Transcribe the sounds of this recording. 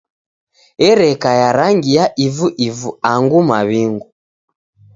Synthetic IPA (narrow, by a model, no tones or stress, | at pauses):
ɛɾɛkajaɾaŋɡijaʔivuʔivuaŋɡumaβiŋɡu